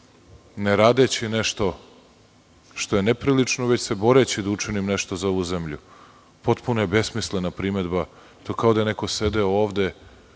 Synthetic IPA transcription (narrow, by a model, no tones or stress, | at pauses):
neɾaːd̪et͡ɕineʃt̪o̞ | ʃt̪o̞je̞nepɾilit͡ʂnoʋe̞t͡ɕsebo̞ɾet͡ɕid̪aut͡ʂinimneʃt̪o̞zao̞ʋuzemʎṵ | po̞t̪punojebe̞smisle̞napɾime̞d̪ba | t̪okao̞d̪ajeneko̞se̞d̪eooːʋd̪e̞